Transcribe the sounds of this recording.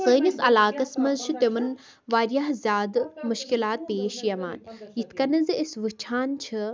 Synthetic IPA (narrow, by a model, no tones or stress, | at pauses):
səːnɐsɐlaːkɐsmɐzt͡ʃʰit̪emɐn | ʋaːɾjaːɦzʲjaːd̪muʃkilaːt̪̚peːʃjɐma̰ːnjit̪ʰkɐnɐziisʋɨt͡ʃʰaːnt͡ʃʰi